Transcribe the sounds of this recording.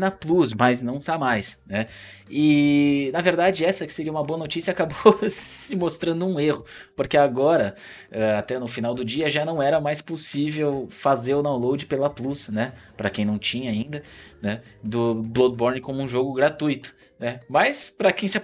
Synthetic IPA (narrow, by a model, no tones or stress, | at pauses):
nɐplusmɐznɐ̃w̃samajsnɛ | ɪnɐveɾd̪ad͡ʒɪɛsɐkɪ̥seɾiɐumɐboɐnot͡ʃisiɐakabosɪmost̪ɾɐ̃nd̪ʊũehʊpoɾkeaɡɔɾɐ | ɛat̪ɛnʊfinawd̪ʊd͡ʒiɐʒanɐ̃w̃ɛɾɐmajsposivewfazeɾʊd̪aw̃lowd͡ʒɪpelɐplusnɛpɾɐkẽj̃nɐ̃w̃t͡ʃĩɲɐaĩnd̪ɐnɛ | d̪ʊblod̪boɾnɪkõmʊũʒoɡʊɡɾat̪ujt̪ʊ̥ | nɛmɐspɾɐkẽj̃sɪa